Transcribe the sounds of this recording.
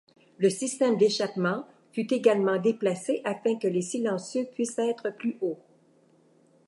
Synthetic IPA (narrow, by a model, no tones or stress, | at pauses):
ləsist̪ɛmd̪eʃapmɑ̃ | fyt̪eɡalmɑ̃d̪eplaseʔafɛ̃kəlesilɑ̃sjøpɥisɛːt̪χəplyʔo